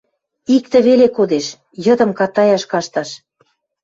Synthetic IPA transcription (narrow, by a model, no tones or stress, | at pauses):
ik̚t̪ĕβelekod̪eʃ | jɤ̆d̪ɤ̆mkɑt̪ɑjɑʃkɑʃt̪ɑʃ